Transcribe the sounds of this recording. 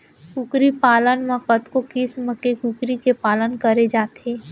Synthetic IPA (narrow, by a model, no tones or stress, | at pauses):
kukɾipaːlənməkət̪kokɪsməkekukɾikepaːlənkəɾed͡ʒaːt̪ʰeː